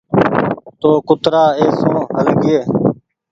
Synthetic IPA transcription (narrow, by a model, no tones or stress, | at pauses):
t̪oːkʊt̪ɾaːeːsõːɦəlɡeː